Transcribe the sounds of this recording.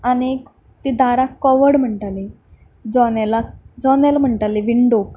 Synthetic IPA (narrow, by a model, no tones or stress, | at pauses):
ani | t̪iːd̪aɾakːɔʋəɽm̤əɳʈali | d͡zɔnelad͡zɔnelm̤əɳʈaliʋiɳɖok